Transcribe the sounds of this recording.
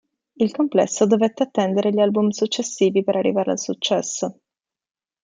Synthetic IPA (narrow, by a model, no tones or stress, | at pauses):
ilkomplɛ̰sːod̪ovet̪ːeat̪ːɛnd̪eɾeʎalbumsut͡ʃːesːiːvipeɾʔarːḭvaːɾea̰lsut͡ʃːɛsːo